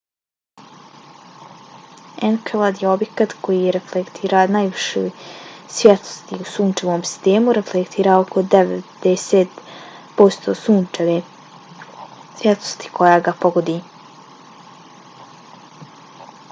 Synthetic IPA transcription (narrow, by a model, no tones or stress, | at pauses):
enkelˠad̪jeo̞bjekat̪kʰo̞jiɾeflekt̪ʰiːɾanajʋiʃo̰jsʋʲjet̪o̥st̪iusuːnt͡ʃeʋoːmsi̥st̪eːmuɾeflekt̪ʰiːɾaoko̞d̪eʋḛd̪̥ɛseːt̪ | po̞st̪osuːneʋe | sʋjet̪o̥st̪i̥kʰo̞jaːɡapo̞ɡod̪i